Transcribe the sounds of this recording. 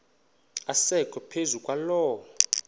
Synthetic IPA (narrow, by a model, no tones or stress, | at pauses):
asɛkʰʼɔpʰezukʼwalɔːw